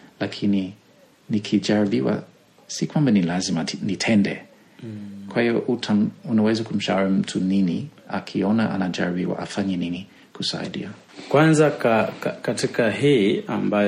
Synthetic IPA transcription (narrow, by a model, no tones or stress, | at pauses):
lakʰini | nikʰid͡ʒaɹibiwa̰ | sikwambanilazimanitʰɛndɛ̰ | kwahiɔʔutʰaunawɛzakum̩ʃauɾim̩tʰuniniakʰiɔnaʔa̰nad͡ʒa̰ɹibiwa̰ʔa̰faɲɛnini | kusa̰ḭdḭa | kwanzakakatikaɦia̰mba